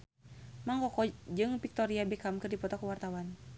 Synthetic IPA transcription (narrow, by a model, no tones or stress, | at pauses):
maŋkɔkɔd͡ʒɨŋpik̚t̪ɔɾiabɛkamkɨrdipɔt̪ɔkəwart̪awan